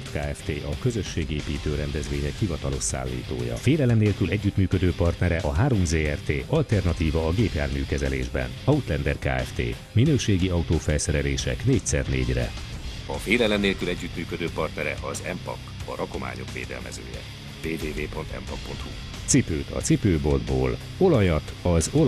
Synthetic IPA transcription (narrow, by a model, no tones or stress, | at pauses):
kaːɛft̪eːʔɒkø̞zø̞ʃːeːɡeːpiːt̪øːɾɛnd̪ɛzvʋeːɲɛkhivɒt̪ɒlo̞ʃsa̰ːlːḭːt̪o̰ːjɒ̰feːlɛlɛmneːlkylɛɟːyt̪myːkø̞d̪øːpɒrt̪nɛɾɛʔɒɦaːɾo̞mzeːɛrt̪eːʔɒlt̪ɛrnɒt̪iːvɒːɡeːpjaːrmyːkɛzɛleːʒbɛ̰nɒut̪lɛnd̪ɛrka̰ːɛft̪ḛː | minøːʃeːɡiɒut̪oːfɛlsɛɾɛleːʃɛ̰kneːc̚sɛrneːɟrɛ̰ɒfeːlɛlɛmneːlkylɛɟːyt̪myːkø̞d̪øːpɒrt̪nɛɾɛʔɒzɛmpɒ̰kɒɾʔɒko̞ma̰ːɲo̞̰kʋḛːd̪ɛ̰lmɛ̰zø̰ːjɛ̰ | veːveːveːpo̞nt̪ɛ̰mpɒk̚po̞nt̪hu | t̪sipøːt̪ɒ̰t̪sipøːbo̞ld̪bo̰ːl | o̞lɒjɒt̪ɒzo